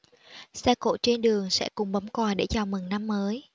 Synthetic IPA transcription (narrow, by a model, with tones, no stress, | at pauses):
sɛ˧ko̰˧˨t͡ɕe˧nɗɨ˨˩əŋsɛ̰˧˥kʊ˨˩ŋ͡mɓə˨˦ŋ͡mkɔː˨˩jɗe˧˩t͡ɕɔ˨˩mɨ˨˩ŋna˧mːəː˨˦j